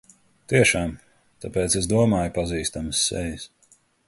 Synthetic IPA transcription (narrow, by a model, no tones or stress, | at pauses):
t̪iɛʃaːm | t̪apɛːt̪sɛsd̪uɔmaːjupaziːst̪amɨsːɛ̰jis